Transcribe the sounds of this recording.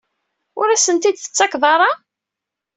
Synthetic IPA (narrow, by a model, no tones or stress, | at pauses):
ʊɾæsənt̪id̪θə̥t͡sːɑkðˤɑɾˤɑ